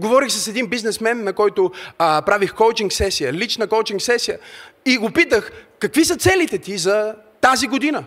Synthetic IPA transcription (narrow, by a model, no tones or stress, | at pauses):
ɡovɔɾixsɐsɛd̪inbiznɛsmɛnnɐkɔjt̪ʊpɾavixkowt͡ʃiŋksɛsijəlit͡ʃnəkowt͡ʃiŋksɛsijəiɡopit̪əxkɐkvisət̪sɛlit̪ɛt̪izɐ | t̪aziɡod̪inə